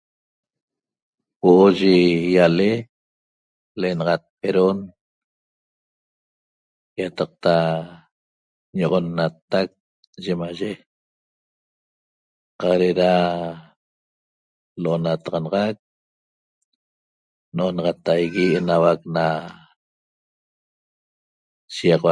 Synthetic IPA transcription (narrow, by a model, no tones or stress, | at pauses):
woʔoʒejale | leʔenɑʁɑat̪̚peɾon | jat̪ɑq̚t̪a | ɲoʁonːat̪ak̚ | ʒemaʒe | qɑɾeɾa | loʔonat̪ɑʁɑnɑʁɑk̚ | noʔonɑʁɑt̪ajɣienawakna | ʃijɑqw